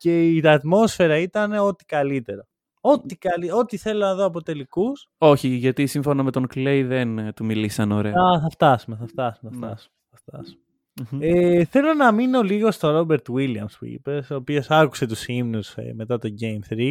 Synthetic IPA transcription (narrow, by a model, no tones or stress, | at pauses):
ce̞iɐt̪mo̞sfe̞ɾɐit̪ɐne̞o̞t̪i̥kɐlit̪e̞ɾo | o̞t̪ikɐlio̞t̪iθe̞lo̞nɐðoɐpot̪e̞likus | o̞çiʝɐt̪isiɱfo̞nɐme̞t̪o̞ŋklejðe̞nt̪umilisɐno̞ɾe̞ɐθɐft̪ɐsume̞θɐft̪ɐsumeɐft̪ɐsu̥meɐft̪ɐ̰su̥me | eθe̞lo̞nɐmino̞liɣo̞st̪o̞ɾo̞beɾt̪uwiliɐ̰mspṵḭpeso̞ːpio̞sɐku̥se̞t̪usimnusme̞t̪ɐt̪o̞ɲɟe̞jmθɾi